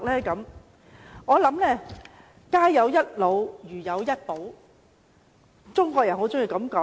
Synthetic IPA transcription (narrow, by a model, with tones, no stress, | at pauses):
k̚lɛː˥kɐ˨˥m | ŋɔː˨˧lɐ˨˥mlɛː˥˩ | kaː˥jɐ˨˧wjɐ˥t̚lo˨˧wjyː˨˩jɐ˨˧wjɐ˥t̚po˨˥w | t͡sʊ˥ŋkʷɔː˧k̚jɐ˨˩nho˨˥wt͡sʊ˥ŋjiː˧kɐ˨˥mkɔː˨˥